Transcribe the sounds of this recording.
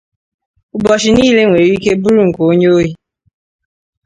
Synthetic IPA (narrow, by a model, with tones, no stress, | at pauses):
ʊ˨bɔ˨ʃ̬i˨niː˦le˦ŋʷe˨ɾi˦ke˦bu˦ɾu˦ŋ̩˨ko˨o˦ɲe˦o˦ɦi˦